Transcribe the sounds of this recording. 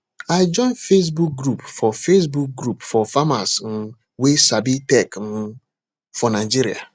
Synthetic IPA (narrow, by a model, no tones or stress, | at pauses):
aɪd͡ʒɔ̃ɪ̃nfes̬buk̚ɡɾupfɔfes̬buk̚ɡɾupfɔfamasn̩ | wesabitɛkm̩ | fɔnaɪd͡ʒiɾia̰